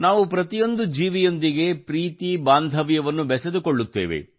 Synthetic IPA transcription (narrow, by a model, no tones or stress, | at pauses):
naːʋupɾɐt̪ijo̞nd̪ud͡ʒiːʋijo̞nd̪iɡe̞pɾiːt̪ibaːnd̪ʱɐʋjɐʋɐnːubɛsɐd̪uko̞ɭːut̪ːḛːʋḛ